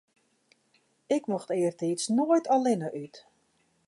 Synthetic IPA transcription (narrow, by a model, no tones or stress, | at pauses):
ɪkmɔxtɪːrtitsnoːjtalɪnəʔyt